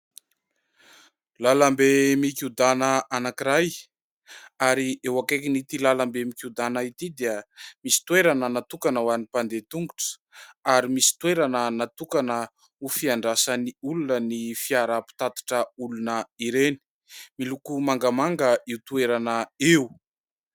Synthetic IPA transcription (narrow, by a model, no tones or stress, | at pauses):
lalambemikʲud̪anəanakiɾaj | aɾiewakekinit̪ilalambemikʲud̪anait̪id̪eəmisi̥t̪weɾanənat̪ukanəwanipand̪et̪uŋɡuʈ͡ʂə̥ | aɾimisi̥t̪weɾanənat̪ukanə | ufiaɳɖ͡ʐasəniulunənifiaɾapi̥t̪at̪i̥ʈ͡ʂəulunəiɾeni̥ | milukumaŋɡamaŋɡəiut̪ueɾanəewu